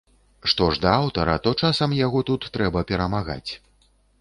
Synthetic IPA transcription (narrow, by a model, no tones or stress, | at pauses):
ʂt̪ɔʐd̪ɐawt̪ɐɾɐt̪ɔt͡ʂasɐmjaɣɔt̪ut̪ːɾɛbɐpʲɛɾɐmaɣa̰t͡sʲ